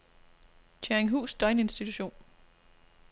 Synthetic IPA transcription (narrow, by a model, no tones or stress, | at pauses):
t͡ɕʰæeŋɦṵːsd̥ɒ̽ɪne̝nsd̥it͡sʰuɕo̝̰ːn